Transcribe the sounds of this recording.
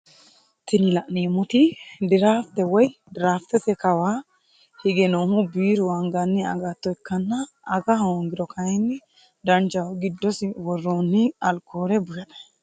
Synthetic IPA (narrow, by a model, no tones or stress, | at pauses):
t̪ɪnɪlɐʔneːmʊt̪ɪd̪ɪɾaːft̪ɛwɔjd̪ɪɾaːft̪ɛt̪ɛkɐwaː | hɪɡɛnoːhʊbiːɾʊwɐŋɡɐnːɛɐ̰ɡat̪ːɔɛkːɐnːɐː | ɡɐɦoːŋɡɪɾɔkʰɐjɛnːɪ | d̪ɐnd͡ʒɐwɡɪd̪ːɔsɪwɔrːoːnːɪɐlkʰːoːɾɛbʊjɐd̪ɐ